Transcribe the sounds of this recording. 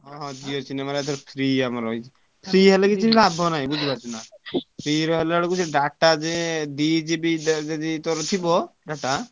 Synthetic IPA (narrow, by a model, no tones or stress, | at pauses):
ɦɔɦɔ̃d̪iɔt͡ʃʰinemaɾat̪ʰɔɾt̪ʰɾiamaɾɔj | p̪ʰɾiɦɛlekit͡ʃʰinilabʱɔnaɦĩbud͡ʒʱibat͡ʃʰunap̪ʰɾiɾɔɦɛlɭɔkut͡ʃʰeɖaʈad͡ʒeɖid͡ʒibid͡ʒad̪it̪ɔɾɔt̪ʰibɔɖaʈa